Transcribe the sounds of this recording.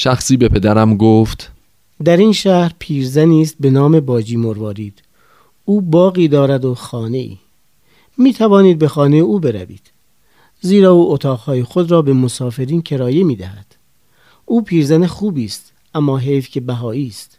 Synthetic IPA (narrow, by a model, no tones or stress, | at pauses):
ʃæxsiːbepʰe̞d̪æɾæmɡoːft̪ | d̪æɾiːnʃæhɾpʰiːɾzæniːst̪̚be̞nɒːme̞bɒːd͡ʒiːmoɾvɒːɾiːd̪̥ | uːbɒːɣiːd̪ɒːɾæd̪oxɒːne̞ḭː | miːt̪ʰævɒːniːd̪̚be̞xɒːnejeuːbe̞ɾæ̰vḭːd̪̥ | ziːɾɒːuːʔot̪ʰɒːɣhɒːjexod̪ɾɒːbemosɒːfe̞ɾiːncʰe̞ɾɒːjemiːd̪æhæd̪̥ | ʔuːpʰiːɾzænexuːbiːst̪ | ʔæmːɒːɦe̞jfcʰebæɦɒːiːst̪